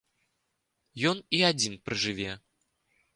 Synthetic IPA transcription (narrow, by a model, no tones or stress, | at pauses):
jɔniad͡zʲinpɾɨʐɨvʲɛ